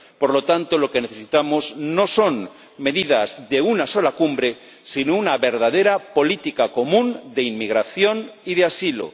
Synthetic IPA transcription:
poɾlo̞t̪ant̪olo̞keneθe̞sit̪amozno̞so̞n | me̞ðiðazðe̞unaso̞lakumbɾe̞ | sinounaβe̞ɾðaðe̞ɾapo̞lit̪ikako̞mũnd̪eimmiɣ̞ɾaθjo̞niðeasilo̰

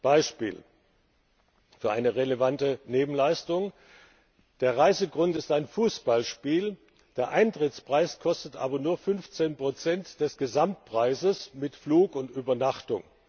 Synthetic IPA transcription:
b̥aɪʃpḭːl | fyːɐʔaɪnəʁelevantəneːbm̩laɪstʊŋ | d̥eːɐʁaɪzəɡʁʊntɪstaɪnfuːsb̥alʃpiːl | d̥eːɐʔaɪntʁ̥ɪt͡spʁ̥aɪskʰɔstətʔa̰ːbɐnuːɐfʏnft͡seːnpʁ̥ot͡sɛntd̥ɛsɡ̥əzamt̚pʁ̥aɪzəsmɪtfluːkʊntʔyːbɐnaχtʊ̰ŋ

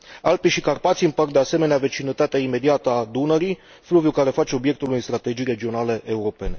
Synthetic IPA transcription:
alpiʃikarpat̪siɨmpər̚d̪e̞ase̞me̞neave̞t͡ʃinət̪at̪eaime̞d̪iat̪əad̪unəɾi | fluvjukaɾe̞fat͡ʃeo̞bjek̚t̪ulujnst̪ɾat̪e̞d͡ʒijɾe̞d͡ʒio̞nale̞ʔeuɾo̞pe̞ne̞

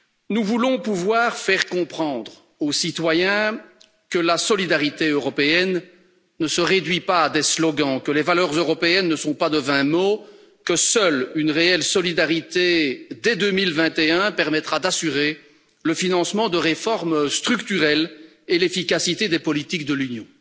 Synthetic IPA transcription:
nuvulɔ̃puvwaːʁfɛʁkɔ̃pχɑ̃d̪ʁ | osit̪wajɛ̃ | kəlasɔlid̪aʁit̪eøʁɔpeɛnː | əsəʁed̪ɥipaːd̪eslɔɡɑ̃kəlevalœːʁzøʁɔpeɛnːəsɔ̃pad̪əvɛ̃mo | kəsœlynʁeɛlsɔlid̪aʁit̪ed̪ɛd̪ømilvɛ̃t̪eɛ̃pɛʁmɛt̪χad̪asyʁe | ləfinɑ̃smɑ̃d̪əʁefɔʁmst̪χykt̪yʁɛl | elefikasit̪ed̪epɔlit̪ikd̪əlynjɔ̃

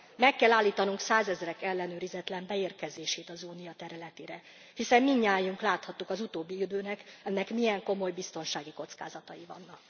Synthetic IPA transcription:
mɛkːɛlːaːlːiːt̪ɒnuŋksaːzɛzrɛkɛlːɛnøːɾizɛt̪lɛmbɛeːrkɛzeːʃeːt̪ɒzuːnijɒt̪ɛɾylɛt̪eːɾɛ | hisɛmːiɲːaːjuŋklaːt̪hɒt̪ːukɒzut̪oːbːiid̪øːnɛkɛnːɛkmijɛŋko̞mo̞jbist̪o̞nʃaːɡiko̞t̪ska̰ːzɒt̪ɒjivɒ̰nːɒk

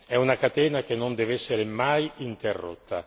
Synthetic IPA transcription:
ɛunakat̪ɛːnak̟enːond̪ɛvɛsːeɾemajint̪erːo̰t̪ːa̰

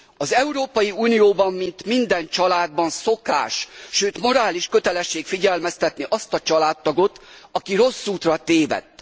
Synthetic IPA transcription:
ɒzɛuɾoːpɒjiuːnijoːbɒmmint̪mind̪ɛnt͡ʃɒlaːd̪̚bɒnso̞ka̰ːʃʃøːt̪mo̞ɾaːliʃkø̞t̪ɛlɛʃːeːkfiɟɛlmɛst̪ɛt̪niʔɒst̪ɒt͡ʃɒlaːt̪ːɒɡo̞t̪ɒkiɾo̞sːuːt̪rɒt̪eːvɛ̰t̪ː

